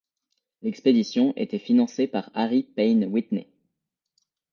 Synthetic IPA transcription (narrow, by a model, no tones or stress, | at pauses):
lɛksped̪isjɔ̃ʔḛt̪ɛfinɑ̃sepaʁaʁipɛjnwit̪nḛ